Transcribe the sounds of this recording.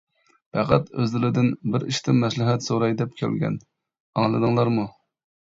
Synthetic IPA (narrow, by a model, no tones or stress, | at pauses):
pʰæqʰæt̪øzlɪlɪd̪ɪnbɪɾḭʃt̪ʰɨmmːɛslɪɦɛt̪soɾɑjd̪ɛp̚kʲʰɛ̰lɡʲɛ̰n | ɑŋlˠɨd̪ɨŋlˠɑɾmu